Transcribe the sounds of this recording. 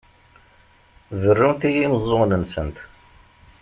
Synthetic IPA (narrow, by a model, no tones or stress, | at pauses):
vərːumt̪ijimzˤːoʁnənsənt̪